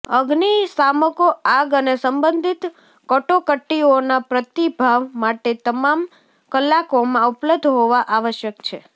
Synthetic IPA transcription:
əɡnisaməkoaɡənesəmbənd̪ʱit̪ | kɔʈokəʈːionapɾət̪ibʱaʋmaʈet̪əmam | kəlːakomãupləb̚d̪ʱɦoʋaʔaʋəʃjəkt͡ʃʰe

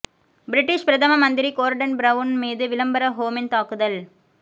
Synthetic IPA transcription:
bɪɾɪʈːɪʂpɾɐðɐmɐmɐnd̪ɪɾikoːɾɖɐnbɾɐʋʊnmiːðɯʋɪlɐmbɐɾɐɦoːmɪnt̪aːkːɯðɐl

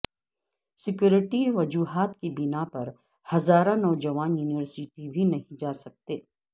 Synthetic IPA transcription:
sɪkjuːɾɪʈiʋɐd͡ʒuːɦaːt̪kibɪnapɐɾ | hɐzaːɾãnɔːd͡ʒɐʋaːnjuːnɪʋəɾsɪʈibʱinɐɦĩd͡ʒaːsɐk̚t̪eː

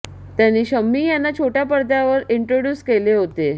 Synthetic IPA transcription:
t̪janiːɕəmːiːjanːat͡ɕʰoʈjapəɾd̪jaʋəɾiɳʈɾoɽjuːskeleɦot̪e

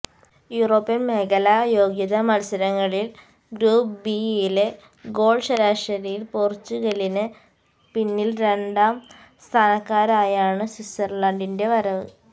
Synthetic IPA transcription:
juro̞ːpːjɐnmeɣɐlɐjo̞ːɡjɐðɐmɐlsɐɾɐŋːɐɭil | ɡɾuːpbiile | ɡo̞ːɭʂɐɾaːʂɐɾɐjilpoːrt͡ɕːuɣɐlinɨ | pinːilɾe̞ɳɖaːm | st̪ʰaːnɐkːaːɾaːjaːɳɨsisɐrlaɳɖinde̞ʋɐɾɐʋɨ̰

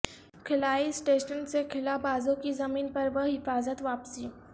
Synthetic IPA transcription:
kʰɪlaːisʈeʃənsekʰɪlabaːzõkizəmiːnpəɾbəɦɪfaːzət̪ʋaːpsiː

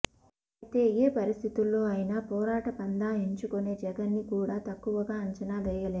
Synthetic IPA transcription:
t̪e̞ːeːpɐɾist̪ʰit̪ulːo̞ːɐjinaːpɔːɾaːʈɐpɐnd̪aːeɲt͡ʃukone̞ːd͡ʒɛɡɐnːikuːɽaːt̪ɐkːuʋɐɡaːɐɲt͡ʃɐnaːɡ̪ɐjɐle

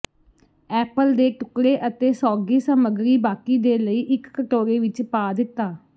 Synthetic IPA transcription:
ɛːpəld̪eːʈʊkɽeːʔət̪eːsɔːɡiːsəməɡɾiːbaːkiːd̪eːləiːʔɪkːəʈoːɾeːʋɪt͡ʃpaːd̪ɪt̪ːaː

